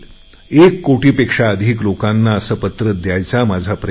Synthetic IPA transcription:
ekːoʈiːpekʂaəd̪ʱiːklokanːaəsəpət̪ɾəd̪jajt͡samad͡zʱapɾə

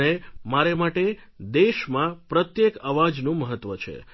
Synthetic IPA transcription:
nemaɾemaʈe | d̪eʃmãpɾət̪jekaʋad͡ʒnũməɦət̪ːʋət͡ʃʰḛ

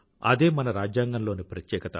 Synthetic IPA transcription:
ɐ̰d̪e̞ːmɐnɐɾaːd͡ʒjaːŋɡɐnlo̞ːnipɾɐt̪jɛːkɐt̪ɐ̰

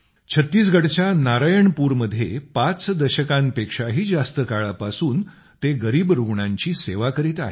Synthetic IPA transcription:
t͡ɕʰət̪ːiːsɡʱəɽt͡ɕjanaɾajəɳpuːɾməd̪ʱːjepat͡sd̪əɕəkãmpekʂaɦiːd͡zast̪əkaɭapasuːn | t̪eɡəɾiːbɾuɡɳãɲt͡ɕiːseʋakəɾiːt̪a̰ɦḛ

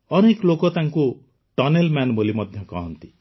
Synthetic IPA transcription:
ʌneklokɔt̪ãŋko | ʈʌnelmanbʱolimʌd̪ʱjʌkʌɦʌnt̪i

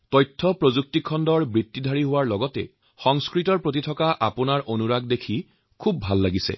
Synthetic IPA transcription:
tɔjtʰːɔpɹozuk̚tikʰɔndɔɹbɹitːidʱaɹiɦʊwaɹlɔɡɔtɛ̰ | xɔŋskɹitɔɹpɹot̬itʰɔkaʔa̰pʊnaɹʔonuɹaɡ̚dekʰi | kʰubːʱalːaɡisɛ̰

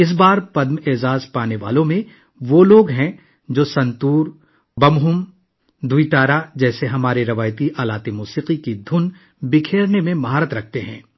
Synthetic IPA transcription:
ɪs̬baːɾpɐd̪meːzaːzpaːneʋa̰ːlõmẽ | ʋoːloːɡɦɛ̃ | d͡ʒoːsɐ̃nt̪uːɾ | bɐmɦʊm | d̪ʱuit̪aːɾad͡ʒɛːseɦɐmaːɾeɾɐʋaːjt̪iʔaːlaːt̪emuːsiːqikid̪ʱʊn | bɪkʰeːɾnemẽmɐɦaːɾət̪ɾɐk̚ʰt̪eɦɛ̃ː

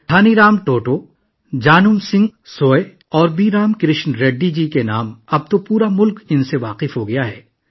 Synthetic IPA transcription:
ʈʰaːniɾaːmʈoːʈo | d͡ʒaːnʊmsɪ̃ŋɡsoːe | ɔːɾbiːɾaːmkɾɪʃnɾeɖːid͡ʒiːkenaːmɐb̚t̪opuːɾamʊlkɪnseʋaːqɪfɦoɡɐjaɦɛː

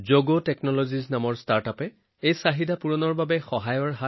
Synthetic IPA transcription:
zoɡotɛknɔloziznamɔɹstaɹtapɛ | ejsaɦidapuɹɔnɔɹbabɛxɔɦajɔɹɦa

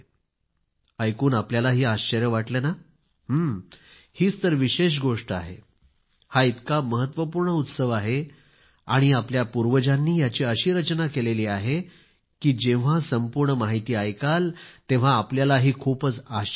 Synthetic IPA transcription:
əjkuːnapljalaɦiːaɕt͡ɕəɾjəʋaʈlena | ɦəm | hiːt͡st̪əɾʋiɕeɕ̬ɡoʂʈəa̰ɦe | hait̪kaməɦət̪ʋəpuːɾɳəut̪səʋaɦe | a̰ɽ̃iapljapuɾʋəd͡ʑanːiːjat͡ɕiːəɕiːɾət͡ɕnakeleliːaɦe | kiːd͡ʑeʋ̤asəmpuɾɳəmaɦit̪iːajkalt̪ẽʋ̤aːpljalaɦiːkʰuːpət͡sa

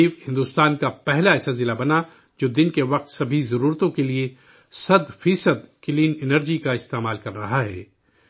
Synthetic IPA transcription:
bhɪ̃nd̪uːst̪aːnkapɛɦlaɛːsɐlzɪlabɐna | d͡ʒoːd̪ɪnkeʋɐq̚t̪sɐbʱizɐɾuːɾt̪õkelie | sɐd̪fiːsəd̪kɪliːnɪnəɾd͡ʒikaɪst̪eːmaːlkɐɾːɐɦaɦɛ̰ː

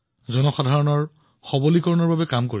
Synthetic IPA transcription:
zɔnɔxadʱaɹɔnɔɹ | xɔbolikɔɹɔnɔɹbabɛkamkoɹi

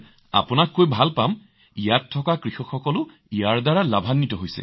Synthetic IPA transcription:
a̰pʊnakːojbʱalpam | ijatʰːɔkakɹixɔkxɔkɔlʊ | ijaɹdaɹalabʱanːitɔɦojsɛ̰

